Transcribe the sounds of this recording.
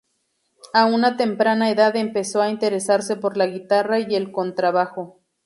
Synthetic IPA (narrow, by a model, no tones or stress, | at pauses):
aunat̪e̞mpɾanaeðaðempe̞soaint̪e̞ɾesaɾsepo̞ɾlaɣit̪araielkont̪ɾaβaxo